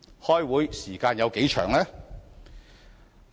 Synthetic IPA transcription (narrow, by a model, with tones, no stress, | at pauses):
hɔː˥jwuː˨˥jsiː˨˩kaː˧njɐ˨˧wke˨˥jt͡ʃʰœː˨˩ŋlɛː˥